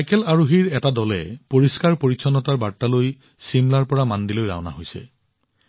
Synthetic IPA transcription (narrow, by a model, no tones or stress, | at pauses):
sajkɛlaɹuɦiɹɛtadɔlɛ̰poɹiskaɹpoɹisʰɔnɔtaɹbaɹtːaloj | simlaɹpɔɹamandilojɹa̰ɔna̰ɦojsɛ̰